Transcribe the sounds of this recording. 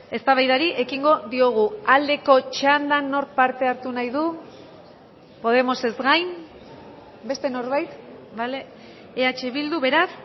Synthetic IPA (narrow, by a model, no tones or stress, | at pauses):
e̞st̪aβajðaɾiʔe̞kiŋɡo̞ðio̞ɣ̞uald̪e̞ko̞t͡ʃand̪anːo̞ɾk̚paɾt̪e̞aɾt̪unajðu | po̞ð̞e̞mo̞se̞zɣajn | be̞st̪e̞no̞ɾβajt̪bale | eat͡ʃe̞βild̪uβe̞ɾas